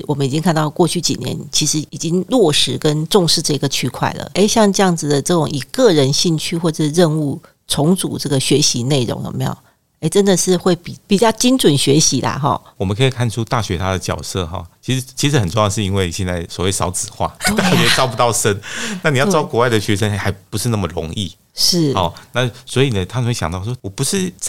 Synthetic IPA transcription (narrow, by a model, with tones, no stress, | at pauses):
wɔ˨˩mə˦ni˨˩t͡ɕi˦ŋkʰa˥˧nt̪kwɔ˥˧t͡ɕʰy˥˩t͡ɕḭ˨˩njɛ̰˧˦nt͡ɕʰi˧˥ʂɻ̩˧˥i˨˩t͡ɕi˥ŋlwɔ˥˩ʂɻ̩˧˥kə˦nʈ͡ʂʊ˥˧ŋʂɻ̩˥˧ʈ͡ʂɤ˥˩i˧ɡə˨t͡ɕʰy˥kʰwa̰˥˩ɪlə̰˩ʔe˥˩ɪɕjɑ˥˧ŋʈ͡ʂɤ˥˧jɑ˥˩ŋd͡zɹ̩˨˩d̪ə˩ʈ͡ʂɤ˥˩ʈ͡ʂʊ˨˩ŋi˨˩kɤ˥˩ɻə˧˥nɕi˥˧nt͡ɕʰy˥xwɔ˥˧ʈ͡ʂ̩˥˧ɻə˥˧nu˥˩ | t͡sʰʊ˧˥ŋt͡su˨˩ʈ͡ʂɤ˥˩ɡə˩ɕɥɛ˧˥ɕi˧˥ne˥˩ɪɻʊ̰˧˦ŋjo̰˨˩mḛ˧˥jo̰˨˩ | e˥˩ɪʈ͡ʂə˦˥nd̪ə˨ʂɻ̩˥˧xwe˥˩ɪppi˨˩t͡ɕjɑ˥˩ʊt͡ɕi˥nʈ͡ʂwə˨˩nɕɥɛ˧˥ɕi˧˥d̪a̰˧xɔ̰˥˧˩wɔ˨˩mə˦nkʰɤ˧˥i˨˩kʰa˥˩nʈ͡ʂʰu˦˥t̪a˥˩ɕɥɛ˧˥t̪ʰa˥d̪ə˨t͡ɕjɑ̰˨˩ʊsɤ˥˨xɔ̰˨˩t͡ɕʰi˧˥ʂ̩˧˥t͡ɕʰi˧˥ʂɻ̩˧˥xə˨˩nʈ͡ʂo˥˧jɑ˥˧ʂɻ̩˥˧i˥nwe˥˩ɪ˨ɕjɛ˥˧nt͡sa˥˩ɪswɔ˨˩we˥˩ɪsɑ˧˥ʊt͡sɹ̩˨˩xwa̰˥˩t̪a˥˩ɕɛ˧˥ʈ͡ʂɑ˥ʊpu˧˥t̪ɑ˥˩ʊʂə˦˥nna˥˩ni˨jɑ˥˩ʈ͡ʂɑ˥ʊkwɔ˧˥wa˥˩ɪdə˩ɕɥɛ˧˥ʂə˦nxa˧˥ɪpu˧˥ʂɻ̩˥˧na˥˩mə˨ɻʊ̰˧˥ŋḭ˥˩ | ʂɻ̩˥˩ɔ˥˧na˥˨swɔ˧˥i˨˩nə˦t̪ʰa˥˧˥ɕɑ̰˨ŋt̪ɑ˥˩ʊʂwɔ˥wɔ˨˩pu˧˦ʂɻ̩˥˩˥